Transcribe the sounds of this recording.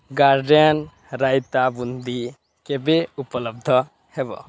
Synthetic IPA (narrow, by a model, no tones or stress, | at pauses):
ɡaɾɖən | ɾajt̪abund̪ʱi | kebeupələb̚d̪ʱə | hebɔ̰